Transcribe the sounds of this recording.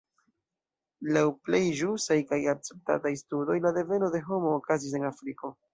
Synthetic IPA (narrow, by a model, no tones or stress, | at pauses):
lawple̞jʒusajkajak̚t͡se̞p̚ta̰tajstudo̞jlade̞ve̞no̞de̞ɦo̞mo̞ːkazis̬e̞nafɾiko̞